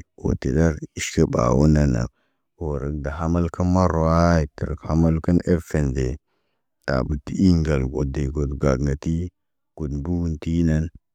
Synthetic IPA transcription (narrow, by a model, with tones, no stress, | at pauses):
o̰˨te˨da˦ɾi˦ʃkə˦ba̰˨wo˦na˨na̰˨ | o˨ɾə˨k̚da˨ɦa˦ma˦lkə˦nma˦ɾo˨a˦i˨tə̰˨ɾ̰kha˦ma˦lkə˦ne˦fe˨ndḛ˨ | da̰˨bu˨ti˦i˦ŋɡa˨lɡo˨de˨ɡo˨dɡa˨ɡŋɡa˨ti˦ | ɡ̥u˨dbu˦wnti˦na˦n